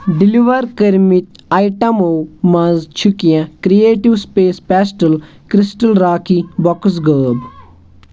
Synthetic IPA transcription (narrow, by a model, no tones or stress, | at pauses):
ɖiliʋəɾkəɾmit̪aːiʈɐmomãzt͡ʃʰukijãkɾieːʈiʋspeːspɛːsʈəl | kɾisʈəlɾaːkʰibɔks̬ɡəːb